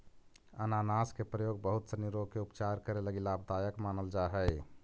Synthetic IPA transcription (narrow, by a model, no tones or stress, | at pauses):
ənanaskepɾəjoːɡ̚bəɦut̪seniɾoɡ̚keupt͡ʃaɾkəɾeləɡilabʱd̪ajəkmaːnəld͡ʒaɦəɪ